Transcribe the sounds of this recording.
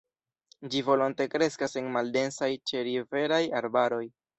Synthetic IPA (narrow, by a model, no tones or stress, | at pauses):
d͡ʒivo̞lo̞nte̞kɾe̞skase̞nmalde̞nsajt͡ʃe̞ɾive̞ɾajaɾbaɾo̞j